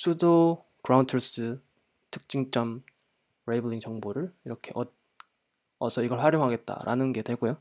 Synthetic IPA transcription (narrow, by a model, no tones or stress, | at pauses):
sʰudo | kɯɾawntʰɯɭs͈ɯ | tʰɯ̥k̚t͡ɕ͈iŋt͡ɕ͈ʌm | ɾebuɭiŋt͡ɕʌŋboɾɯɭiɾʌkʰe̞ʔʌt̚ | ʌsʰʌiɡʌɭɸwaɾjoŋɦaɡe̞t̚t͈a̰ɾa̰nɯnɡe̞dwe̞ɭɡ͈ojo